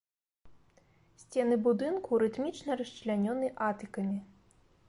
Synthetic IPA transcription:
sʲt͡sʲɛnɨbud̪ɨnkuɾɨt̪mʲit͡ʂnɐɾɐst͡ʂlʲanʲɔnɨʔat̪ɨkɐmʲi

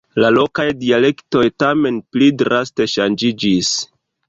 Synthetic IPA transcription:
lalo̞kajdiale̞kto̞jtame̞nplidɾaste̞ʃand͡ʒid͡ʒis

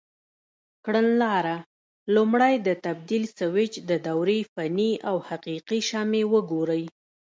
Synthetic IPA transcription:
kɽənlɑɾa | lumɽajd̪ət̪ab̚d̪ilsawɪt͡ʃd̪əd̪awɾefaniawhaqiqiʃɑmewəɡoɾəj

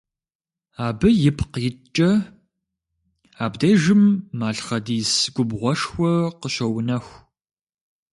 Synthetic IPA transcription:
aːbɨjɪpʰqjɪt͡ʃʼɐ | aːbdɐʒɨmːaːɬχɐdiːsɡ̥ʷʊbʁʷɔʂxʷɔqəɕɐwnɐxʷ

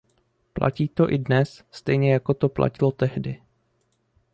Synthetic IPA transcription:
plʔa̰ciːt̪o̞ʔɪdnɛsst̪ɛjɲɛjako̞t̪o̞pla̰cɪlo̞t̪ɛɦdɪ

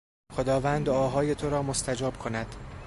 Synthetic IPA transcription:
xo̞d̪ɒːvæːnd̪ɒːɦɒːjet̪ʰoɾɒːmost̪ʰæd͡ʒɒːb̥kʰonæd̪̥

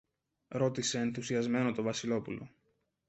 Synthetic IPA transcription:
ɾo̞t̪ise̞ːnθusiɐzme̞no̞t̪o̞vɐsilo̞pulo̞̰

